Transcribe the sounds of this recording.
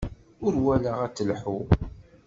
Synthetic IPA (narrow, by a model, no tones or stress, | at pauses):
ʊɾwælaʁæt͡sːəlħu